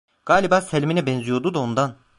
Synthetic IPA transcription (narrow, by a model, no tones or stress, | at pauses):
ɡ̥aːlʲibaːselʲminɛbɛnzijo̞d̪ud̪ao̞nd̪an